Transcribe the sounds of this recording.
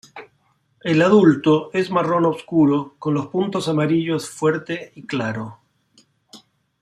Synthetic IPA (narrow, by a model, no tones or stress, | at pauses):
elaðult̪oezmaro̞noβskuɾoko̞nlo̞spunt̪osamaɾiʎo̞sfweɾt̪eiklaɾo